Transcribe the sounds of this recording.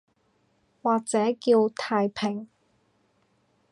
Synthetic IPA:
waː˨k̚t͡sɛː˨˥kiː˧wt̪ʰaː˨jpʰɪ˨˩ŋ

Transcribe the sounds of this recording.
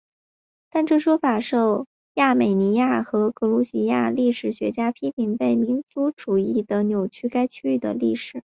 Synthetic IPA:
t̪a˥˧nʈ͡ʂɤ˥˩ʂwɔ˥fa˨˩ʂo˥˧ʊ | ja˥˩me˨˩ɪni˧˥ja˥˩xɤ˧˥kʰɤ˧˥lu˧˥ɕi˧˥ja̰˥˧li˥˩ʂɻ̩˨˩ɕɥɛ̰˧˥t͡ɕja˥pʰi˥pʰi˨˩ŋpe˥˩ɪmi˧˥nt͡su˧˥ʈ͡ʂu˨˩i˥˩d̪ə˩njo˨˩ʊt͡ɕʰy˥ka˥ɪt͡ɕʰy˥y˥˩d̪ə̰˩li˥˩ʂɻ̩˨˩˦

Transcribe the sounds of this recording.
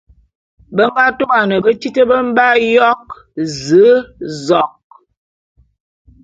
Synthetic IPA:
bə˦ŋɡa˦to˦a˨nə˨bə˦t͡ʃi˦tə˦bə˦m̩˦ba˦jɔ˦k̚ | zə˨˦zɔ˨k̚

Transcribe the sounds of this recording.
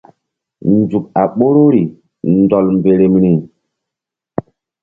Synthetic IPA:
n˦d͡zu˨k̚a˨ɓo˦ɾo˦ɾi˨ | ndɔ˨lmbe˨ɾe˨m˦ni˨

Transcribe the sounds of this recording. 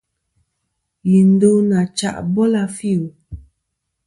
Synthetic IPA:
ji˨n̩˦do˦na˨t͡ʃa̰˨ʔbɔ˦la˦fi˦˨u˨

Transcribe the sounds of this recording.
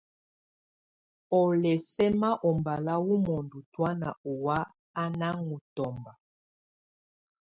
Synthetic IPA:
ɔ˨lɛ˨sɛ˦ma˦ʔɔ˨mba˨la˦wu˦mɔ˨ndu˨twa˦na˨ɔ˨wa˦ | a˦na˦ŋu˨tɔ˨mba˨

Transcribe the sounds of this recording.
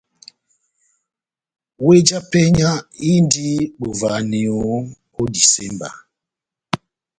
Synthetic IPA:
we˦d͡ʒa˦pɛ˦ɲa˦i˦ndi˦ɓo˨va˨ni˨o˨˦ko˦di˨sɛ˦mba̰˨

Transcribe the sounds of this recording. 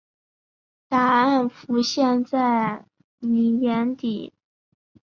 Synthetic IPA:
t̪a˧˥a˥˩nfu˧˥ɕjɛ˥˧nt͡sa˥˩ɪ | ni˨˩jɛ˧˥nt̪i˨˩˦

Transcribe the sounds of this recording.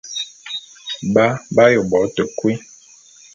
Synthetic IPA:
ba˦ba˦jo˨bɔ˨˦tə˨kwe˦

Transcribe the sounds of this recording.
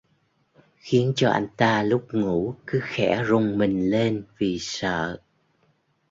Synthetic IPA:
xi˨˦ənt͡ɕɔ˧ʔa˧jŋ̟t̪aː˧lʊ˦˥k͡p̚ŋu˧˩kɨ˨˦xɛ̰˧˩˥zʊ˨˩ŋ͡mmï˨˩ŋ̟le˧nvi˨˩sə̰ː˧˨

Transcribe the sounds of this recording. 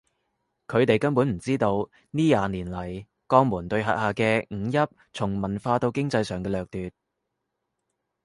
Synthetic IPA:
kʰɵ˨˧ɥt̪e˨jkɐ˥npu˨˥nm̩˨˩t͡siː˥t̪o˧w | niː˥jaː˨niː˨˩nlɐ˨˩j | kɔː˧ŋmuː˨˩nt̪ɵ˧ɥɦɐ̰˨t̚haː˨kɛː˧ŋ̩ː˨˧jɐ˥p̚ | t͡sʰʊ˨˩ŋmɐ˨˩nfaː˧t̪o˧wkɪ˥ŋt͡sɐ˧jsœː˨˩ŋkɛː˧lœː˨k̚t̪yː˨t̚

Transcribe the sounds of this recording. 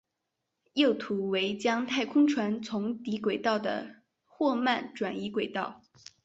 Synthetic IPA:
jo˥˩ʊt̪ʰu˧˥we˧˥ɪt͡ɕjɑ˥ŋt̪ʰa˥˩ɪkʰʊ˥ŋʈ͡ʂʰwa˧˥nt͡sʰʊ˧˥ŋt̪i˧˥kwe˨˩ɪt̪ɑ˥˩ʊd̪ə̰˩ | xwɔ˥˧ma˥˩nʈ͡ʂwa˨˩ni˧˥kwe˨˩ɪt̪ɑ˥˩ʊ

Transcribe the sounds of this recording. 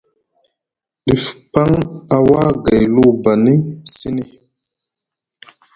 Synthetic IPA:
ɗi˨fpa˦ŋa˨wa˦ɡa˨jlu˦˨ba˨ni˦si˦ni˨

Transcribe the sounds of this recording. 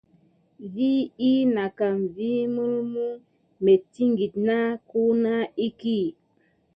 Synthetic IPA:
vi˦i˦na˨ka˨mvi˦mu˦lmu˦ | me˨ti˦ŋɡi˨tna˦ku˦na˦i˦ki˦

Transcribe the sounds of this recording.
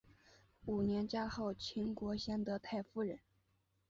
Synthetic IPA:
u˨˩njɛ˧˥nt͡ɕja˥xɑ˥˩ʊt͡ɕʰi˧˥ŋkwɔ˧˥ɕjɛ˥nd̪ɤ˧˥t̪ʰa˥˧ɪfu˥˩ɻə˧˥n

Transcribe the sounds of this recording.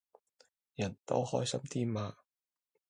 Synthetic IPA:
jɐ˨˩nt̪o̰˥whɔː˥jsɐ˥mt̪ʰiː˥mːaː˧

